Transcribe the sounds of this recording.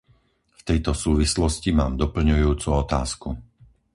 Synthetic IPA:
ft̪ɛjt̪ɔsuːʋislɔscimaːmd̪ɔpl̩ɲujuːt͡suɔt̪a̰ːsku

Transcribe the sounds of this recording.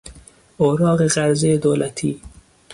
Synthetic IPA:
oɾɑːɣeɣaɾzed̪oːlat̪ʰi

